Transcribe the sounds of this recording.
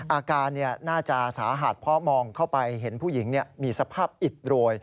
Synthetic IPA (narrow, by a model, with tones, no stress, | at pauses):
ʔaː˧kaː˧nːi˥˩ɐnaː˥˩t͡ɕa˨˩saː˩˦ɦa˨˩t̪̚pʰɾɔ˦˥mɔː˧ŋkʰa˥˩wpa˧jɦe˩˦npʰuː˥˩ji˩˦ŋni˥˩əmiː˧sa˧pʰaː˥˩p̚ʔi˨˩t̪̚ɾu˧əj